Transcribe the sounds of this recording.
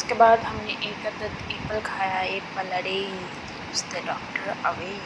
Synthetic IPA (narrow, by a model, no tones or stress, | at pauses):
ʊskebaːd̪ɦɐmnẽʔeːkɐd̪ət̪iːpəlkʰaːjaːɦepɐləɽe | t̪ː | ʊst̪eɖɔːkʈəɾɐʋeː